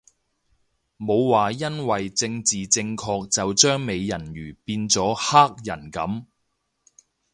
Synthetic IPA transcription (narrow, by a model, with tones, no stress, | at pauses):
mo˨˧wwaː˨jɐ˥nwɐ˨jt͡sɪ˧ŋt͡siː˨t͡sɪ˧ŋkʰɔː˧k̚t͡sɐ˨wt͡ʃœː˥ŋme˨˧jːɐ˨˩nɥyː˨˩piː˧nt͡sɔː˨˥haː˥k̚jɐ˨˩nkɐ˨˥m